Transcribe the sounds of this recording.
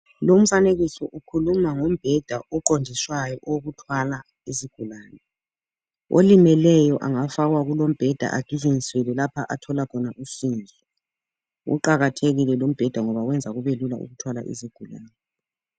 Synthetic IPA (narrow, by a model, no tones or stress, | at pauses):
lom̩faneɣisɔʔukʰulumaŋum̩b̥ʱɛd̥ʱaʔɔǃondʱiswajɔʔoɣutʰwala | isiɡ̥ʱulaːnɛ | o̰limɛlɛjɔʔaŋafaɣwaɣulom̩b̥ʱɛd̥ʱa̰ʔaɡ̥ʱiziŋiswɛlɛlapʰaʔa̰tʰɔlakʰɔnaʔusind͡ʒʱɛ | ṵǃaɣatʰeɣilɛlom̩b̥ʱɛd̥ʱaŋɔβawɛnd͡zʱaɣuβelula̰ʔṵɣutʰwalaʔḭsiɡ̥ʱulaːnɛ